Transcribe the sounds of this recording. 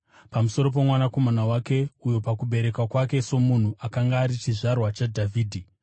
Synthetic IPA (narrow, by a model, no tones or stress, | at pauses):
pamuso̞ɾo̞p̬e̞mwanako̞manawake̞ujo̞pakuɓe̞ɾe̞kwakwake̞so̞mun̤uʔakaŋɡaːɾit͡ʃiʐarwat͡ʃadʱavʱiːdʱi